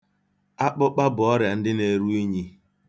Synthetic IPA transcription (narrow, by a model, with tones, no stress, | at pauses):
a˦k͡pʊ˦k͡pa˦bʊ˨ɔ˦ɾja˨n̩˦dɪ˦ne˨ɾu˦i˦ɲi˦